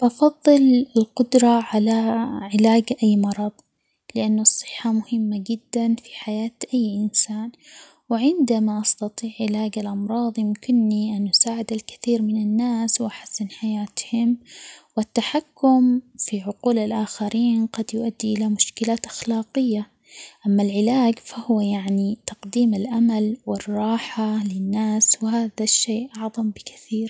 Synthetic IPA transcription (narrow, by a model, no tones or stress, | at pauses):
bɑfɑðˤːɨlɪlqʊd̪ɾˤɑʕalaʕɪlaːɡʔajːmɑɾˤɑðˤ | lɪʔanːʊsˤːɨ̥ħːamʊhɪmːad͡ʒɪd̪ːanfi̥ħajaːt̪ʔajːʔɪnsaːn | wɪʕɪnd̪amaʔɑst̪ɑt̪ˤiːʕʔɪlaːɡalʔɑmɾˤɑːðˤjɪmkɪnːiʔanʔʊsaːʕɪd̪alkɪ̥θiːɾmɪnɪnːaːswʔaħḁsːɪnħajaːt̪hɪmwɪt̪ːaħakːʊmfiʕʊquːlɪlʔaːxaɾiːnqɑd̪jʊʔad̪ːiʔɪlamʊʃkɪlaːt̪ʔaxlɑːqɪjːa | ʔamːalʕɪlaːɡfahʊwajaʕnit̪ɑqd̪iːmɪlʔamalwɪrˤːɑːħalɪnːaːswɪɦaːðaʃːeːʔʔɑʕðˤɑmbɪkḁθiːɾ